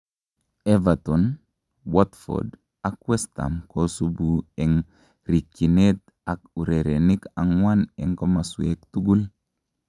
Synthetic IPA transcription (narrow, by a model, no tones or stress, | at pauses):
evaton | wotfo̰d | akwesta̰mkosubuɛŋ | ɾikːinet̪̚ | akuɾeɾenikaŋwanɛŋkomasuektuɡul